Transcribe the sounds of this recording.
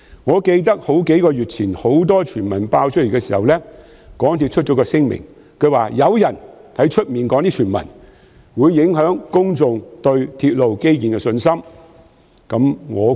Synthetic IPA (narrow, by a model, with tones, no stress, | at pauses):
ŋɔː˨˧ke˧jt̪̬ɐ˥k̚ho˨˥wke˨˥jkɔː˧ɥyː˨t̚t͡sʰiː˨˩nho˨˥wt̪ɔː˥t͡ʃʰyː˨˩nmɐ˨˩npaː˧wt͡ʃʰɵ˥le˨˩kɛː˧siː˨˩hɐ˨wlɛː˥ | kɔː˨˥ŋt̪ʰiː˧t̚t͡ʃʰt̚t͡ʃɔː˨˥kɔː˧sɪ˥ŋmɪ̰˨˩ŋ | kʰɵ˨˧ɥwaː˨jɐ˨˧wjɐ˨˩nt̪ʰɐ˨˥jt͡ʃʰɵ˥t̚miː˨nkɔː˨˥ŋt̪iː˥t͡ʃʰyː˨˩mɐ̰˨˩n | wuː˨˧jːɪ˨˥ŋɦœː˨˥ŋkʊ˥ŋt͡sʊ˨ŋt̪ɵ˧ɥt̪ʰiː˧t̚lo˨wke˥jkiː˨nkɛ˧sɵ˧nsɐ˥m | kɐ˨˧˥mŋɔː˨˧